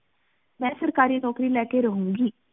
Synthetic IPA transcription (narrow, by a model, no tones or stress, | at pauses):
mɛ̃ːsəɾkaːɾiːnɔːkɾiːlɛːkeɾəɦũːŋɡiː